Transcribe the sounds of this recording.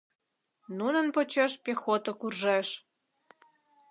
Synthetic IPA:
nunənpot͡ɕeʃpʲexot̪ə̆kurʒeʃ

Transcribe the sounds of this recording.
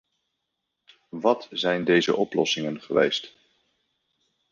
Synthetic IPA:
ʋɑtzɛjndejzə̰ʔɔplɔsɪŋənχəʋḛjst

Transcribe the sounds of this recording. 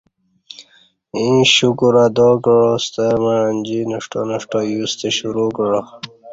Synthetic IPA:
ĩɕukuɾad̪okəɻost̪emaanʲd͡ʑinəʂʈo̰nəʂʈojust̪eɕuɾukəɻo

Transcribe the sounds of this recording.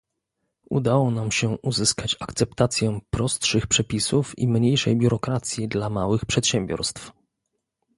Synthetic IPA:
ʔṵd̪awɔnamɕɛʔuzɘskat͡ɕakt̪sɛp̚t̪at̪sʲjɛpɾɔst̪ʂɘxpʂɛpʲisufḭmɲejʂɛ̰jbʲjuɾɔkɾat̪sʲjid̪lamawɘxpʂɛt̪ɕɛmbʲjɔ̰ɾst̪f

